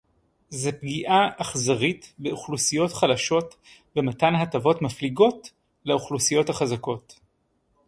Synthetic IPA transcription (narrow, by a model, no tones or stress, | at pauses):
zepɡiʔaʔːχzaʁitbeuχlusijo̞tχalaʃo̞t | bematanɦatavo̞tmafliɡo̞t | leuχlusijo̞thaχazako̞t